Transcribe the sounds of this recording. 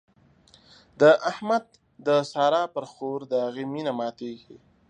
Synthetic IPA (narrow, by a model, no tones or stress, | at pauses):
d̪əʔahmad̪̚ː | əsɑːɾɑːpəɾxoɾd̪əɦaɣeminamɑːt̪eɡi